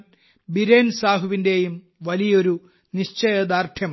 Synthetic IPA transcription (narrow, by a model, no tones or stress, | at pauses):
biɾeːnsaːɦuʋinde̞jum | ʋɐlijɐo̞ɾu | niɕt͡ɕɐjɐd̪aːrt̪ʰjɐm